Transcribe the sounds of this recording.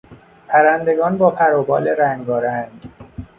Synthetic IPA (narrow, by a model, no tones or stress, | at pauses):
pʰæɾænd̪e̞ɡɒːnbɒːpʰæɾobɒːleɾæŋɡɡɒːɾænd̪